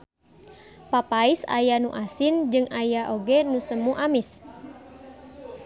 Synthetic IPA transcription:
papaisa̰januʔasind͡ʒɨŋʔajaʔoɡɛnusəmuʔamis

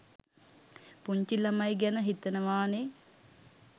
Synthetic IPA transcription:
puɲt͡ʃilɐmajɡɛnəɦit̪ənəʋaːne

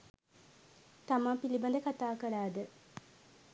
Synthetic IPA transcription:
t̪amãːpiliband̪əkat̪aːkəɾaːd̪ə

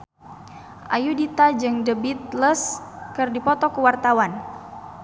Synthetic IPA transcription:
ʔajudit̪ad͡ʒɨŋdəbit̪̚ləskɨrdipɔt̪ɔkuwart̪awan

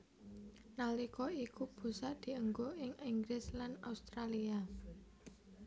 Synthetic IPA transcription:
nalikɔikub̥ṳsaʔd̪̥i̤əŋɡoɪŋiŋɡɾɪslanaust̪ɾalia

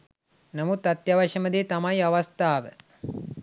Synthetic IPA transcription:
namut̪ːat̪jaʋaʃəməd̪eːt̪amajaʋast̪aːʋə

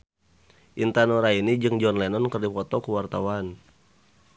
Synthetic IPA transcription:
ʔint̪anoɾainid͡ʒɨŋd͡ʒɔnlɛnɔnkərdifɔt̪ɔkuwart̪awan

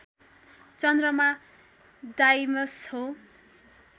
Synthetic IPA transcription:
t͡sʌnd̪rʌma | ɖajmʌsho

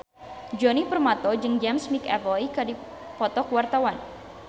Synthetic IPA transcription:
d͡ʒɔnipərmat̪ɔd͡ʒɨŋd͡ʒɛmsmikɛ̰vɔjkadi | pɔt̪ɔkuwart̪awan

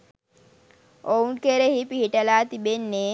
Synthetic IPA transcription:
ounkeɾeɦipiɦiʈɐlaːt̪ibenːe

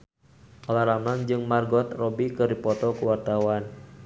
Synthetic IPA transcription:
ɔlaɾamlaŋd͡ʒɨŋmarɡɔt̪rɔbikərdipɔt̪ɔkuwart̪awan

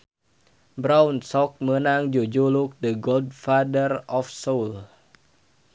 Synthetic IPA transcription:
bɾaunsɔk̚mənaŋd͡ʒod͡ʒoluk̚dəɡold̚fadərɔfsol

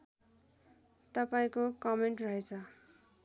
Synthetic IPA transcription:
t̪ʌpaĩkokʌmeɳʈrʌɦet͡sʰʌ

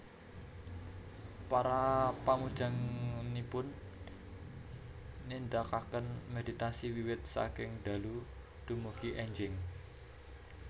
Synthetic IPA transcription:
paɾapamud̥ʒ̥a̤ŋnipʊn | ind̪akakənmed̪it̪asiwiwɪt̪̚sa̰kɪŋd̪̥a̤lu | d̪̥ṳmuɡ̥iʔɛɲd͡ʒɪŋ

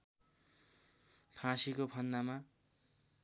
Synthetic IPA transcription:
pʰãsikopʰʌnːama

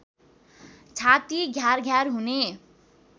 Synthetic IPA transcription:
t͡sʰat̪iɡʱjarɡʱjaɾɦune

